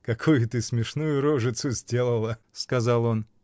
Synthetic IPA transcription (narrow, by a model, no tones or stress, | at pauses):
kɐkʰujʊt̪ɨsmʲɪʂnujʊɾoʐɨt̪sʊzʲdʲe̞lˠəlˠə | skɐzɑlˠo̞n